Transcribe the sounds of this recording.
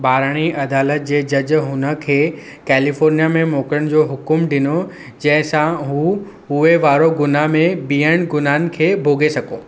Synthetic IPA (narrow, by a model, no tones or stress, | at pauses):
baːɾəɽ̃iʔɐd̪aːlət̪̚d͡ʑeːd͡ʑɐd͡ʑɦʊnə̆kʰeː | kɛːlifoːɾnijamẽmoːkɾəɽ̃d͡ʑoːɦʊkʊmɖɪno | d͡ʑɐ̃ɦɪ̃sãɦũ | ʊeʋaːɾoɡʊnamẽbiːəɽ̃ɡʊnaːnɪ̆kʰeːbʱoːɡʱesɐɡo̰ː